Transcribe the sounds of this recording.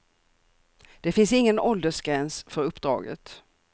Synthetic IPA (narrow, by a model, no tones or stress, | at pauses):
d̪̥ɛfɪnsɪŋːənɔld̪əʂɡ̥ɾɛnsfœɾɵpːd̪ɾɑ̰ːɡə̰t̪